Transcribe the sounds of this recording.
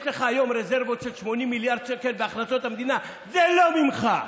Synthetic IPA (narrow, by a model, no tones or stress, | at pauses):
t̪ɛχaːjɔmɾɛzɛɾvɔsʰɛt͡ʃʰmɔnimiliaɾd̪̚t͡ʃʰɛkʰɛlbaχlat͡s̪ʰʼɔt̪ʰamd̪ina | zɛlɔmimχa